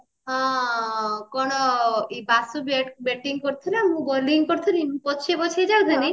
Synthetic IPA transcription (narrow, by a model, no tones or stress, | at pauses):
ɦɔ̃ | kɔɽ̃ɔibasubebɛʈiŋkɔɾt̪ʰunamũɡɔliŋɡkɔɾt̪ʰunimũpɔt͡ʃʰebɔt͡ʃʰed͡ʒawd̪ʱani